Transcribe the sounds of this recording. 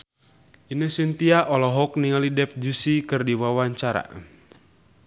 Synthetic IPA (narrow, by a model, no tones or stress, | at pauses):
inəsint̪iaʔɔlɔɦɔk̚niŋalidɛfd͡ʒusikɨrdiwawaɲt͡ʃaɾa̰